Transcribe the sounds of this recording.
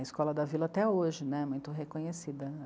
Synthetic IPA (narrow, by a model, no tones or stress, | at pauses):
ɐiskɔlɐd̪ɐvilɐaːt̪ɛoʒɪnɛ̃mũj̃t̪ʊɦekõɲesid̪ɐ